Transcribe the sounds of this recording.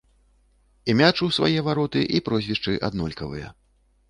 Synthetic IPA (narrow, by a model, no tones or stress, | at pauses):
imʲat͡ʂuwsva̰jɛvaɾɔt̪ɨʔipɾɔzʲvʲiʂt͡ʂɨʔa̰d̪nɔlʲkɐvɨ̰jɐ̰